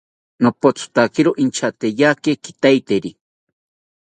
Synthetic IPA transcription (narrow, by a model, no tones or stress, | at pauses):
nopot͡sʰʊ̥t̪akɪɾoʔint͡ʃʰat̪ejakekit̪ajt̪eɾi